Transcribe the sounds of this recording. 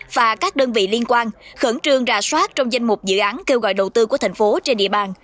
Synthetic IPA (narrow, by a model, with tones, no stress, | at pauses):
vaː˨˩kaː˦˥k̚ɗəː˧nvḭ˧˨li˧ənkwaː˧nxə˧˩nt͡ɕɨ˧əŋzaː˧˩swaː˦˥t̚t͡ɕɔ˧wŋ͡mza˧jŋ̟mʊ˨˩k͡p̚zɨ̰˧˨ʔaː˨˦nke˧wɣɔ̰˧˨jɗə˨˩wt̪ɨ˧ku˧˩ət̪ʰa˨˩ŋ̟fo˨˦t͡ɕe˧nɗḭ˧˨əɓaː˨˩n